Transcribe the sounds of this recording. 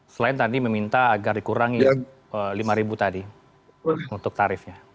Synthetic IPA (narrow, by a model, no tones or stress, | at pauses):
səlaɪnt̪adiməmint̪aːɡardikuɾaŋi | əlimaɾibut̪adi | unt̪ʊk̚t̪aɾɪfɲa